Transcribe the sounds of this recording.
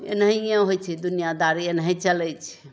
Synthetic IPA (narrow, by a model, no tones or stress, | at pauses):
ḛnɦiẽɦojt͡ʃʰɛd̪unijad̪aɾienɦɛ̃t͡ʃəlɛt͡ʃʰɛ̥